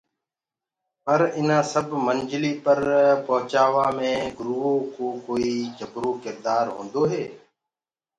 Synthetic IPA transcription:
pəɾɪnãːsəbʱmənd͡ʒliːpəɾpəɦt͡ʃaːʋaːmẽːɡɾuːõːkoːkoːiːd͡ʒəbɾoːkɪɾd̪aːɾɦõ̰ːnd̪oːɦeː

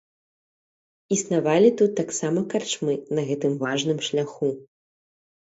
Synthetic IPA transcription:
isnavalʲit̪ut̪ːaksamɐkart͡ʂmɨnɐɣɛt̪ɨmvaʐnɨmʂlʲaxu

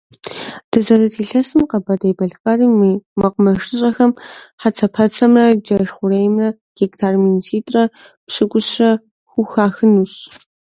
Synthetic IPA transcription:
d̥ɨzɐɾɨtʰiːɬɐsɨmqɐbɐdɐjbɐɮqɐriːmmɐqʊmɐʂɨɕʼɐxɐmħat͡sʰɐpʰɐt͡sʰɐmrɐd͡ʒɐʂχʷʊɾejmrɐ | ɡ̥ektʰaːrminsʰiːtʼrɐ | pɕɨɡʷʊɕrɐ | xʷʊxaːxɨnuɕ

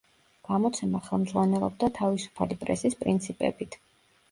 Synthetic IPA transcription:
ɡ̥amɔt̪sʰɛmaχɛlˠmdzʁwanɛlˠɔ̰b̚d̪at̪ʰavisu̥pʰalipʼɾɛ̰sispʼɾint̪sʰipʼɛ̰bit̪ʰ

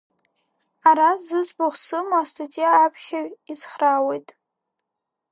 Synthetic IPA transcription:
aɾazɨt͡sʼboχʷsɨmaastʰatʼijaːpʰχʲaɥizχrawejtʼ

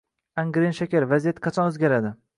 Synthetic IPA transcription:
aŋɡɾenʃakʲaɾvazijat̪qʰɑt͡ʃʰɒnɵzɡʲaɾad̪ɪ

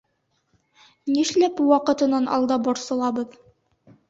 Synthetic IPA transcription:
niʃlæpuwɑqɤ̆t̪ɤ̆nːɑnʔɒ̰lˠd̪ɑboɾsɤ̆lˠɑbɤð

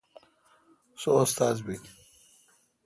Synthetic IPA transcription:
soːst̪aːzbik

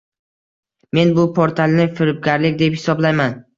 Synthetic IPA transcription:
me̞nbʊpʰoɾt̪ʰalnɪfɪɾɪp̚ɡʲaɾlɪkʲd̪e̞phɪ̥sɒblajman

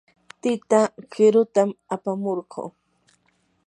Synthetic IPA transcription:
t̪ɪt̪akɪɾʊt̪amapamoɾɢo̰ː

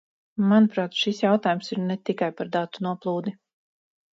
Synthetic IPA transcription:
manupɾaːt̪ʃisjawt̪aːjumsiɾnɛt̪ikajpaɾd̪at̪ːunuɔplˠuːd̪i

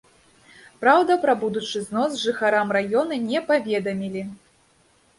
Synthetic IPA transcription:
pɾawd̪ɐpɾɐbud̪ut͡ʂɨznɔsʐɨxaɾamrajɔnɐnʲɛpavʲɛd̪ɐmʲilʲi

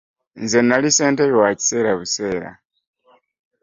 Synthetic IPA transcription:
nzenaliseːntejowaci̥seːɾaβuseːɾa̰

